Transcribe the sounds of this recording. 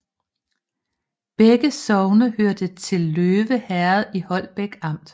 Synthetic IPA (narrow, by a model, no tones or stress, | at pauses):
b̥eɡ̥əsɒʊnɐhøɐd̥ət͡sʰe̝lːøːʋəhæɐð̩ˠihɒ̽l̰b̥eɡ̥ɑ̈m̰d̥